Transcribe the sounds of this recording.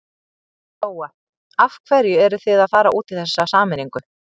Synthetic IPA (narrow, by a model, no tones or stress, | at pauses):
oːwa | afkʰvɛɾjʏɛɾʏθɪðaðfaːɾaʔuːt̪ɪð̥θɛsːasaːmɪɾiŋkʏ